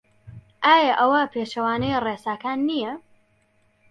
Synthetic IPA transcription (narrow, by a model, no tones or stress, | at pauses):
ʔaːjɐʔɐwapʰeːʃɐwaːnɐjreːsaːkaːnːijɐ